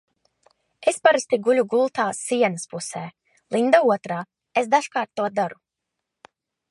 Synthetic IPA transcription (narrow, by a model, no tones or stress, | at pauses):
espaɾast̪iɡulʲuɡulˠt̪aːsiɛnəspusɛː | lˠind̪auɔt̪ɾaː | esd̪aʃkaːɾt̪ːuɔd̪aɾu